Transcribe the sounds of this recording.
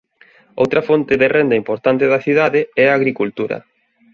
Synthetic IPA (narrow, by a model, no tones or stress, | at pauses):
o̰wt̪ɾɐfont̪ɪðerend̪ɐimpoɾt̪ant̪ɪðɐθiðaðɪɛaːɣɾikult̪uɾɐ̰